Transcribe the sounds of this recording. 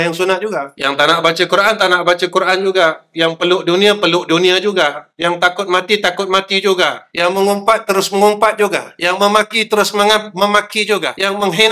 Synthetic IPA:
jaŋsunat̪̚d͡ʒuɡajaŋt̪anaʔbat͡ʃəkuɾaʔant̪anaʔbat͡ʃəkuɾʔand͡ʒuɡajaŋpəlʊʔdunĩapəlʊʔdunĩad͡ʒuɡajaŋt̪akʊt̪̚mãt̪it̪akʊt̪̚mat̪id͡ʒuɡajaŋməŋumpat̪̚ːəɾʊsməŋumpat̪̚d͡ʒuɡa̰jaŋməmakit̪əɾʊsməŋat̪̚məmakid͡ʒuɡajaŋməŋɦen

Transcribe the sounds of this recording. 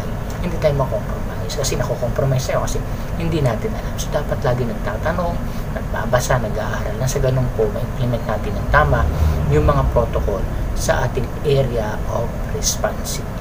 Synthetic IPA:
j | hɪnd̪iːt̪aːjʊmɐkompɾomajskɐsɛnɐkokompɾomajsɐjokɐsɛ | hɪnd̪iːnaːt̪ɪnʔɐlamsod̪aːpɐt̪laːɡɪŋnɐɡ̚t̪aːt̪ɐno̞ŋ | nɐɡ̚pa̰basanɐɡaːʔaːɾɐlːɐŋsɐɡɐno̞ŋkomɐʔɪmplɛmɛnt̪̚naːt̪ɪnɐŋt̪aːmɐʔjʊŋmɐŋapɾo̞t̪oko̞lsɐ̰ʔaːt̪ɪŋʔɛɾɪɐ | ʔof | ɾɛspansɪɡ̚

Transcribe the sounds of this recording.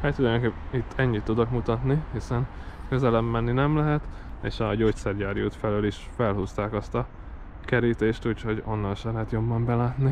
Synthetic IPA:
haːt̪ulɒjoŋkepit̪ːʰɛɲːit̪ːud̪okmut̪ɒt̪nihisɛnkøzɛlɛbmɛnːinɛmlɛɦɛt̪ | ḛːʃɒɟoːct̪sɛrjaːɾjoːt̪fɛløːliʃfɛlɦust̪aːkɒst̪ɒ | kɛɾiːt̪eːʃt̪uːcho̞ɟo̞nːɒnʃɛlɛɦɛt̪jo̞bːɒmbɛlaːt̪ni

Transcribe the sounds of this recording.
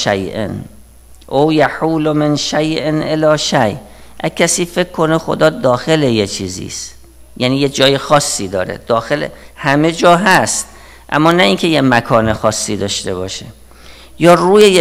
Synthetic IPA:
ʃæjʔḛn | ʔowjæħuːlomenʃæjʔenʔelɒːʃæj | ʔækʰːæsiːfe̞kkʰːo̞nexo̰d̪ɒːd̪ɒːxe̞lejet͡ʃʰḭːzḭːst̪ | jæniːjed͡ʒɒːjexɒːsːiːd̪ɒːɾḛd̪̥ɒːxe̞lḛhæme̞d͡ʒɒːɦæst̪̚ | ʔæ̰mːɒːnæʔinkʰe̞jemækʰɒːne̞xɒːsːiːd̪ɒːʃt̪e̞βɒːʃḛ | jɒːruːjeje

